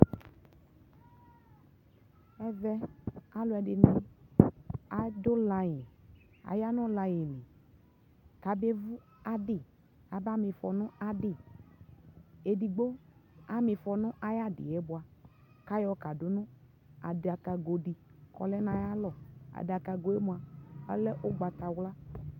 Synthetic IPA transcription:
ɛ˨vɛ˦a˨lʊ˨˦ɛ˨dɪ˨nɪ̃˨ | a˨dʊ˦la˧ji˨ | a̰˨ja˦nʊ̃˦la˧jɪ˨lɪ˨ | ka˨be˦vu˦ | a˦dɪ˦˨ | a˨ba˦mɪ̃˧fɔ˨nʊ̃˦a˨dɪ˦˨ | e˨di˨ɡ͡bo˦a˦mɪ̃˨fɔ˨nʊ̃˦ʔa˨˦ja˦dɪ̰˨ɛ˦bʊ˨a˨ | ka˦jɔ˨˦ka˨dʊ˦nʊ̃˦ | a̰˨dɪ˨a˨ka˨ɡo˨di˨kɔ̰˨lɛ˦nã˨ja˦lɔ˨a̰˨dɪ˨a˨ka˨ɡo˨e˦mũ˨a˨a̰˦lɛ˦ʔʊ˦ɡ͡ba˨t̪a˨wla˦

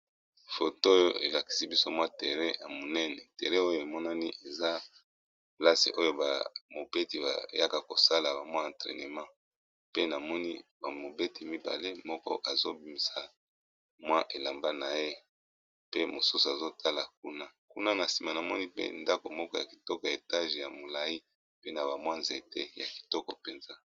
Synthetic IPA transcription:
fo˨to˦jo˦e˨la˨ki̥˨si˦bi˦so˦mwa˦te˨ʁɛ˦ja˨mo˨nɛ˦nɛ˨te˨ʁɛ˦o˦jo˦˨e˨mɔ˦na˦ni˦ʔe˨za˦ | pla˦sḛ˨ʔo˦jo˦ba̰˨mo˨be˦ti˨ba̰˨ja˦ka˨ko˨sa˦la˨ba˨mwa˦ã˨ntʁɛ̰˨ne˨mã˦ | pe˦na˨mɔ˦nḭ˦ba˨mo˨be˦ti˨mi˦ba̰˨le˦mɔ˦kɔ̰˦ʔa˨zo˦bi˨mi˨sa˨ | mwa˦ʔe˨la˨mba˦na˨je˦ | pe˦mo˨su˦su˨a˨zo˦tʰa˦la˨k̚u˦na˦ku˦na˦na˨si˨ma˨na˨mɔ˦ni˦pḛ˦nda˦ko˨mɔ˦kɔ˦ja˨ki̥˨tɔ˦kɔ˨jae˨ta˦ʒe˨ja˨mo˨la˨i˦ | pe˦na˨ba˨mwa˦nze˨te˦ja˨ki̥˨tɔ˦kɔ˨pe˨nza˦

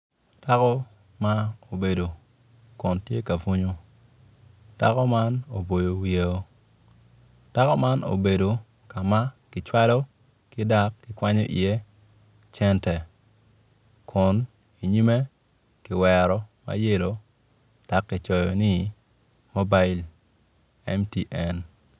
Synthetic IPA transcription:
ta˦kɔ˦ma˦o˨be˨do˨kʊ˨ntje˦ka˨fo˦ɲo˦ | ta̰˦kɔ˦ma˦no˨bo˨jo˨wje˦o˦ | ta˦kɔ˦ma˦no̰˨be˨do˨ka˨ma˦kɪ˨t͡ʃwa˦lɔ˦ | kɪ˦da˦kːɪ˨kwa˦ɲɔ̰˦ʔḭ˨je˦ | t͡ʃɛ˦ntɛ˨ | kʰʊ˨n | i˨ɲi˦me˦ | kɪ˨wɛɾɔ˨ma̰˨je˦lo˨ | d̥a˨kːi˨t͡ʃɔ˨jɔ˨ni˦ | mo˦ba˦i˦l | ɛ̰˦mti˦ʔɛ˨n

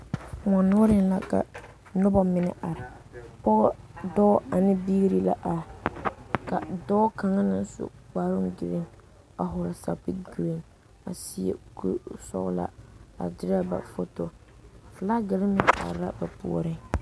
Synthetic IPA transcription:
ŋɔ˨nʊ˦ɾɪ˦nla˦ka̰˨ | nʊ˦bɔ˦mɪ˦nɪ̰˦ʔa˨ɾɪ˨ | pɔ˦dɔ˦a˨nɪ˦biː˦ɡi˦ɾi˦la̰˦ʔa˨ | ka˨dɔ˦ka˨ŋa˦nɪ˦n˦sʊ̰˦k͡pa˨ɾʊ˦ŋɡɪ˨lɪ˦n | a˨ɦʊ˨ɾa˨sa̰˨pi˦ɡu˨e˦n | a̰˨si˦ḛ˦kṵ˦sɔ̰˦ʔla̰˦a̰˨dɪ˨ɾa˦ba̰˨fo˦to˨ | fla˦ɡɪ˨lɪ˦mɪ˦nʔa̰˨ɾla˦ba˨pṵ˦ɔ̰˦ɾɪ˦ŋ

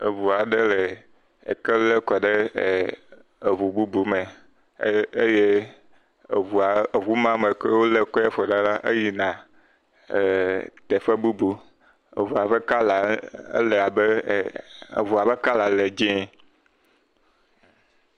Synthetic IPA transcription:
e˨vu˨a˨ɖe˦le˨ | ḛ˨ke˦le˦kɔ˨ɖe˦˨ | e˨βu˨bu˦bu˦me˨˦ | e˦je˦ | e˨vu˨a˨βu˦mã˦me˨ke˦wo˦le˦kɔ˦je˦fɔ˨ɖa˦la˦ʔe˦ji˦nã˨ | t̪e˨ɸe˦bu˦bu˨ | ḛ˨vu˨a˨ɸe˦ka˦la˨ḛ˦le˨a˨bḛ˦˨ | vu˨a˨be˦ka˦la˨le˨d͡ʒẽ˦

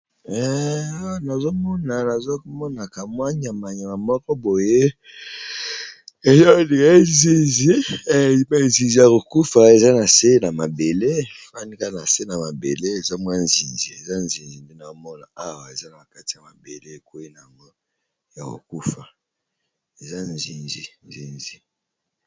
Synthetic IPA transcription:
ɛ˦a˦wa˨na˨zo˦mɔ˦na˨na˨zo˦mɔ˦na˨ka˨mwa˦ɲ˦a˨ma˨ɲa˨ma˨mɔ˦kɔ˦bo˨je˦ | e˨za˦o˦li˨ka˨˦e˦nzi˨zi˦˨ba˦˨nzi˨zi˨ja˨ko˨ku˦fa˨e˨za˦na˨se˦na˨ma˨be˨le˦fa˦ni˦ka˦na˨se˦na˨ma˨bḛ˨le˦e˨za˦mwa˦nzi˨nzi˨e˨za˦nzi˨nzi˨nde˦na˨ko˦mɔ˦na̰˨a˦wa˨e˨za˦na˨ka˦ti˨a˨ma˨be˨le˦˨ko˦i˦na˨a˨ŋɡo˦ | ja˨ko̰˨ku˦fa˨ | e˨za˦nzi˨nzi˨nzḭ˨nzi˨

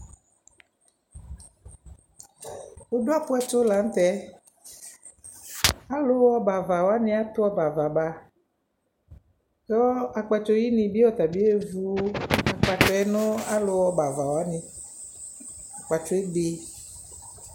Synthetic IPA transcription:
o˦do˦a˦pʊ˦ɛ˦t͡ʃo˦la˨n̩˦t̪ɛ˨˦ | a˦lo˦wɔ˦ba˨va˨wɔ˨a˦nĩ˦a˦t̪ʊ˦ɔ˦ba˨va˨ba˨ | jɔ˦a˨k͡pa˨t͡ʃo˦ji˦nĩ˨bi˦wɔ˦t̪a˨bi˦e˦vu˦a˨k͡pa˨t͡ʃɔ˦ɛ˦nɔ̃˦a˦lo˨wɔ˨ba˨va˨wa˨˦nĩ˨ | a˨k͡pa˨t͡ʃo˦e˦ɡ͡be˨

